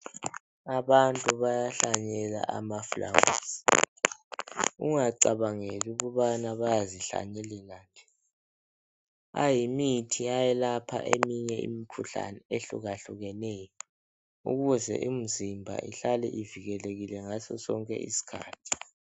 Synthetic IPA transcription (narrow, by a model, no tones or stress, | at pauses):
aβantʼuβajaɬaɲɛla̰ʔamafula̰wṵːsi̥ | uŋaǀaβaŋeliɣuβanaβajaziɬa̰ɲɛlilaːnd͡ʒʱɛ | a̰jimitʰiajɛlapʰa̰ʔemiɲɛḭmikʰuɬa̰nɛeɬṵɣaɬuɣɛnɛjɔ | uɣuzɛ̰ʔim̩zimbʱa̰ʔḭɬalɛ̰ʔiviɣɛleɣilɛŋasɔsɔŋkʼɛ̰ʔḭsi̥kʰa̰ːtʰi̥